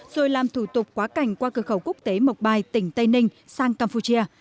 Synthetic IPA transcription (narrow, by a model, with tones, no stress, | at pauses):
z̥o˨˩jlaː˨˩mt̪ʰu˧˩t̪ʊ˨˩k͡p̚kwaː˨˦ka˧˩jŋ̟kwaː˧kɨ˨˧˩xə˧˩wku˦˥ək̚t̪e˨˦mə˨˩k͡p̚ɓaː˨˩jt̪ï˧˩ŋ̟t̪ə˧jnï˧ŋ̟saː˧ŋkaː˧mpu˧t͡ɕi˧ə